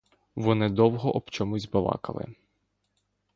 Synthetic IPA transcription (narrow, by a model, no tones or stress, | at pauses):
ʋɔnɪd̪ɔwɦɔʔɔbt͡ʃɔmʊzʲbɐʋɑ̰kɐ̰lˠɪ̰